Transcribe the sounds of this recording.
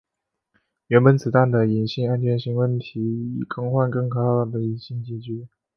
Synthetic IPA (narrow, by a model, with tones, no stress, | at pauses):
ɥɛ˧˥nbə˧˥nt͡sɹ̩˨˩t̪a˥˩nd̪ə˩i˨˩nɕi˥˧ŋa˥nt͡ɕʰɥɛ˧˥nɕi˧˥ŋwə˥˩nt̪ʰi˧˥i˨˩kɤ˥˧ŋxwa˥˧nkɤ˥˩ŋkʰɤ˨˧˩ɑ˥˩˨d̪ə˩i˨˩ɕi˥˧ŋt͡ɕi˧˩t͡ɕy˥